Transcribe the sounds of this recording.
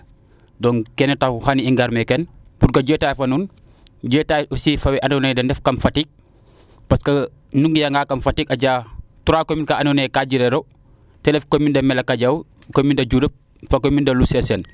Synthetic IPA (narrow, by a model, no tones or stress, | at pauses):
dɔːnkenetauhaniiŋɡaɾmekɛnpuɾkɐɟuetaːjfɐnuːn | ɟɛtajusifɐwɛʔanonedɐndɛfkɐmfatiːk̚ | pɐskɐ | nuŋɡjaŋɡaːkɐmfatikɐɟaːtuɾaːkominkaanunekaɟiɾeɾo | tɛnɛfkomindɐmɛlɐkɐɟaw | komindɐɟuɾəp̚ | fakomindɐlusɛsɛn